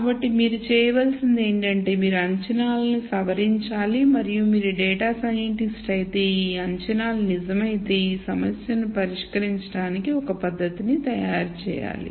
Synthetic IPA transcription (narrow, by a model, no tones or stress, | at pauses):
aːbɐʈːimiːɾut͡ʃɛːjɐʋɐlsind̪eːɳʈɐɳʈe̞ːmiːɾuɐɲt͡ʃɐnaːlɐnisɐʋɐɾiɲt͡ʃaːlimɐɾijumiːɾuɖɛːʈaːsajeɳʈisʈɐjt̪e̞ːiɐɲt͡ʃɐnaːlɐnizɐmɐjit̪eːiːsɐmɐsjɐnupɐɾiʂkɐɾiɲt͡ʃɐɽaːnikiɔkɐpɐd̪ʱːɐt̪init̪ɐjaːɾt͡ʃɛ̰ːja̰ːlḭ